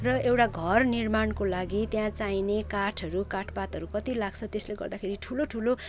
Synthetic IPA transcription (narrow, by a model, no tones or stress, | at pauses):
rʌewʈaɡʱʌrnirmaɳkolaɡit̪jãt͡sajnekaʈʰʌɾukaʈʰpat̪ɦʌɾukʌt̪ilaɡt͡sʰʌt̪esleɡʌ̰rd̪akʰeɾiʈʰuloʈʰulo